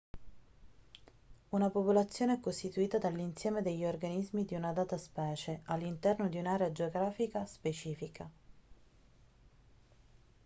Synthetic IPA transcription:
unapopolat̪sːjoːneɛkːost̪it̪uiːt̪ad̪alːinsjɛːmed̪eʎːiorɡanizmid̪iunad̪aːt̪aspɛːt͡ʃeʔalːint̪ɛrnod̪iunaːɾead͡ʒeoɡɾaːfikaspet͡ʃiːfikʰa

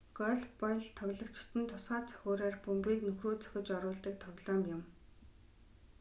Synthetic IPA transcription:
ɡ̥ɔɮpɔjɮt̪ʰɔɣʲɮə̆kt͡ɕɪ̥̆t̪ʰɘ̆nt̪ʰʊsɢaːt͡sœ̥xʲoːɾaːrpɵmpiːknɵxruːt͡sʰœ̥xʲɪ̆t͡ɕɔɾʊːɮt̪ĭːk̚t̪ʰɔɣʲɮɔːmjʊ̆m

